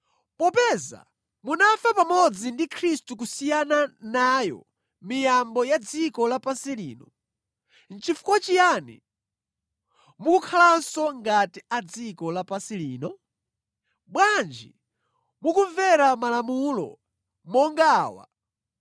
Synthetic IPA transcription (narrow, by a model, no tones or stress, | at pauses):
pɔpɛza̰ | munafapamɔd͡zindikʰɾistukusijananajɔ̰ | mijambɔjad͡zikɔlapasiliːnɔ | n̩t͡ʃifu̥kwat͡ʃijanḭ | mukukʰalansɔŋɡatiad͡zikɔlapasiliːnɔ | bwand͡ʒi | mukuɱvɛɾamalamulɔ̰ | mɔŋɡaːwa̰